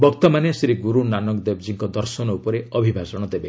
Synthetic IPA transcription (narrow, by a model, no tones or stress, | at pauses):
bɔkt̪ɔmanesɾiɡuɾunanɔkd̪ebd͡ʒiŋkɔd̪ɔɾsɔnɔupɔɾeɔbʱibʱasɔɽ̃ɔd̪ebe